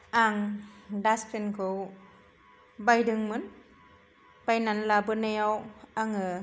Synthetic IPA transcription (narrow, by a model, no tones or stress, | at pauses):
ʔaŋdastʰenkʰɯw | bajdɯŋmɯn | pajnanlabɯnajawaŋɯ